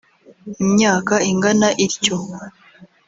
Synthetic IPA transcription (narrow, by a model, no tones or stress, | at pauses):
imɲaːkaiŋɡanaʔiɾco